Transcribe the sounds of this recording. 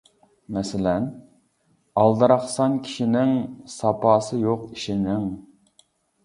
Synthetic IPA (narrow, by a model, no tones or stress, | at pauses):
mɛsɪlɛn | ɑlˠd̪ɑɾɑχsɑnkʲʰi̥ʃinɪŋsɑpɑːsɨjoqiʃinɪŋ